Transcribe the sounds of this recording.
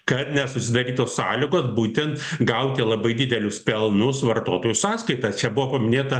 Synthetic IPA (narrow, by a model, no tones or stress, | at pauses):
kɐt̪nʲɛsʊsʲɪd̪ɐɾʲiːt̪oːssɑːlʲɪɡoːsbuːt̪ʲɛnt̪ɡɐʊt̪ʲɪlˠɐbɐɪd̪ʲɪd̪ʲɛlʲʊspʲɛlˠnʊsʋɐrt̪oːt̪oːjʊsɑːskɐɪt̪ɐt͡ʃʲɛbʊʋoːpɐmʲɪnʲeːt̪ɐ